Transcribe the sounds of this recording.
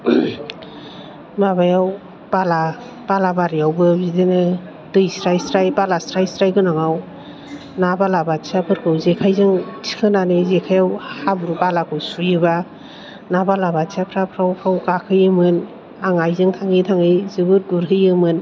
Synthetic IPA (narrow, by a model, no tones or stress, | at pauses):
babajaw | b̥ala | b̥alabaɾijawbɯbidenɯ | dɯjsɾajsɾajbalasɾajsɾajkɯnaŋaw | nabalabatsapʰɯɾkʰɯwzekʰajzɯŋtʰi̥kʰɯnanɯzekʰajawhabuɾubalakʰɯwsujɯba | nabalabatsapʰɾapʰɾawkʰawkakʰɯjɯmɯn | aŋajzɯŋtʰaŋitʰaŋɯjzɯbɯt̚ɡuɾɦɯjɯmɯn